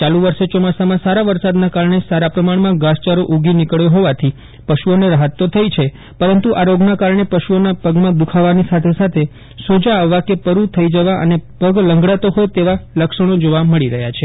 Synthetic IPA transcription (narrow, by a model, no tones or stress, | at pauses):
t͡ʃaluʋəɾʃet͡ʃomasamãsaɾaʋəɾsad̪nakaɾɳ̃esaɾapɾəmaɳmãɡast͡ʃaɾoʔuɡʱinɪkɭjoɦoʋat̪ʰi | pəʃuoneɾaɦət̪ːot̪ʰəit͡ʃʰe | pəɾənt̪uʔaɾoɡnakaɾɳ̃epəʃuonapəɡmãd̪ukʰaʋːanisat̪ʰesat̪ʰe | sud͡ʒaːʋːakepəɾut̪ʰəid͡ʒəʋaʔə̰nepəɡləŋɡɽat̪oɦojt̪eʋaləkʃəɳ̃od͡ʒoʋaməɭiɾəɦjat͡ʃʰe